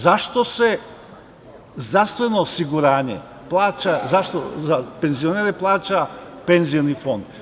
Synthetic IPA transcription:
zaʃt̪o̞se | zd̪ɾaɾst̪ʋenoːsiɡuɾaːɲḛ | plˠaːt͡ʃazaʃt̪ozapenzioneːɾeplˠaːt͡ʃapenzijonifo̞nd̪̥

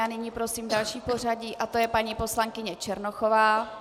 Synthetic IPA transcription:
aːnɪɲiːpɾo̞siːmdalʃiːpo̞r̝aɟiːʔat̪o̞jɛpaɲipo̞slaŋkɪɲɛt͡ʃɛɾnoxovaː

